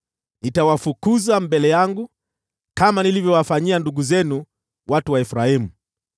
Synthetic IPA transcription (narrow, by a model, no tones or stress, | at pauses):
nitawafukuzambɛlɛjaŋɡu | kamanilivjɔwafaɲianduɠuzɛnu | watuwaɛfɾahimu